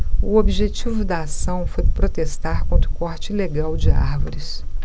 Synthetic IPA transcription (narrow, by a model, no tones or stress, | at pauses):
ʊobiʒet͡ʃivʊd̪ɐasɐ̃w̃fojpɾot̪est̪aɾkõnt̪ɾʊkɔɾt͡ʃɪileɡawd͡ʒɪa̰ɾvoɾɪs